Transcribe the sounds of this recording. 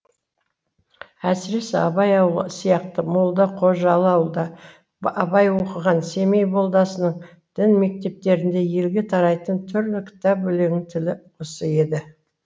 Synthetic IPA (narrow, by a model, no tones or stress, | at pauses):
æsɪɾe̞sɪɑbɑjɑwlˠəsijɑqt̪əmolˠd̪əqʰo̞ʒɑlˠɑwlˠd̪ɑ | ɑbɑjwo̞qəʁɑnse̞mejbo̞lˠd̪ɑsənəɴ | d̪̥ɪnme̞k̚t̪e̞p̚t̪e̞ɾɪnd̪e̞je̞lɡʲe̞t̪ʰɑɾɑjt̪ənt̪ʰʏɾlɪkʲʰɪ̥t̪ɑpbɵle̞ɡʲɪŋt̪ʰɪlɪqʰosəe̞d̪ɪ